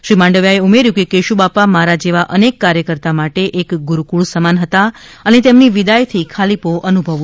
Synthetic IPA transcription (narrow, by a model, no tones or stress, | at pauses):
ʃɾimãɳɖəʋjaeumeɾjũkekeʃubapamaɾad͡ʒeʋaʔənekːaɾjəkəɾt̪amaʈeʔekɡʊɾukuɭsəmanɦət̪aənet̪emniʋid̪ajt̪ʰikʰalipoʔənubʱəʋ